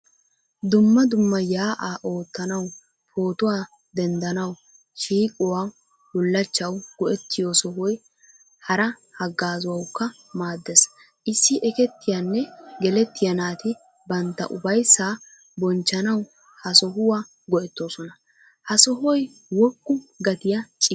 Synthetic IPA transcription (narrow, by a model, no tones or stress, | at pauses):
d̪ʊmːɐd̪ʊmːɐjaːʔaːʔo̞ːt̪ːɐnɐw | pʰo̞ːt̪ʊwaː | d̪ɛnd̪ɐnɐw | ʃiːkʼɔwaː | wʊlːɐt͡ʃːɐwɡ̥ɔʔɛt̪ːɪjoːsɔɦɔj | hɐɾɐ | hɐɡːaːzʊwɐwkːɐ | maːd̪ːɛs | ʔɪsːɪʔɛkɛt̪ːɪjanːɛɡɛlɛt̪ːɪjɐnaːt̪ɪ | bɐnt̪ːɐ̰ʔʊbɐjsːaː | bɔnt͡ʃːɐnɐw | hɐsɔɦʊwaː | ɡɔʔɛt̪ːoːsɔnɐ | hɐsɔɦɔj | wɔkʼːʊɡɐt̪ɪjɐt͡ʃʼɪ